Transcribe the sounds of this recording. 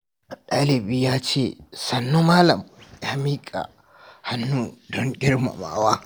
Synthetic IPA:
ʔa˨ɗa˦lɛ˨bɪ˦jaː˦t͡ʃḛ˨sɐ˨nːu˦maː˦lɐ˨ma˨˦miː˦kʼa̰˨ | hɐ˨nːu˦dɔ˦ŋɡʲɪ˦ɾma̰˨ma̰˨ʔwaː˦

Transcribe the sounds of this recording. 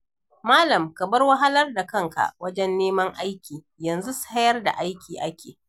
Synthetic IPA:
maː˦lɐ˨mkɐ˨bɐ˦rwɐ˦ɦa˦lɐ˦rda˨kɐ˦ŋka̰˨ʔwɐ˦d͡ʒɛ˦nːeː˦mɐ˦ŋʔa˦jkʲiː˨ | jɐ˨nzu˦su̥˦ha˦jɐ˦rda̰˨ʔa˦jkʲiː˨ʔa˦kʲʰeː˨

